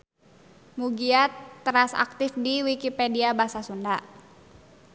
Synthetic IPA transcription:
muɡiat̪ːɾasa̰k̚t̪ɪfdiwikipɛdiabasasunda

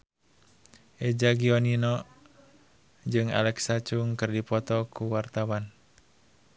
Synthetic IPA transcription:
ʔɛd͡ʒaɡiɔninɔ | d͡ʒɨŋa̰lɛksat͡ʃuŋkɨrdipɔt̪ɔkuwart̪awan

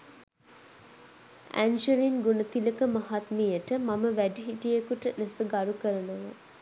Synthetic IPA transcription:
æ̰nd͡ʒəlinɡunət̪iləkəmaɦat̪mijəʈəmaməʋæɖiɦiʈijekuʈənæsəɡaɾukəɾənuʋa

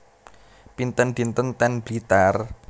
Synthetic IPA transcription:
pint̪ənd̪̥int̪ənt̪ɛnb̥it̪ar

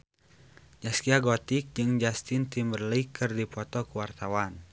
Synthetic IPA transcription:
d͡ʒaskiaɡɔt̪ɪk̚d͡ʒɨŋd͡ʒast̪ɪnt̪imbərlikʰɨrdipɔt̪ɔkuwart̪awan

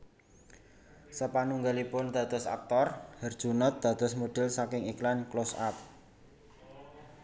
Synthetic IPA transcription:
səpanuŋɡalipʊnd̪̥ä̤t̪ʊsa̰k̚t̪ɔrhərd̥ʒ̥ṳnət̪̚d̪̥ä̤d̪ʊsmoɖ̪̥ɛ̤lsakɪŋiklanklosa̰p̚

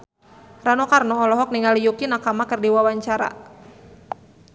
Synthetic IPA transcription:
ranɔkarnɔːlɔɦɔk̚niŋalijukinakamakɨrdiwawaɲt͡ʃaɾa̰

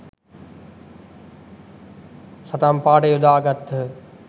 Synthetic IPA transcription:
sɐt̪aːmpaːʈeːʊd̪ʱaːɡɐt̪ʰ

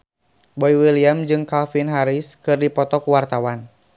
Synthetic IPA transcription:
bɔiwiliamd͡ʒɨŋkalfinɦaɾiskɨrdipɔt̪ɔkuwart̪awan

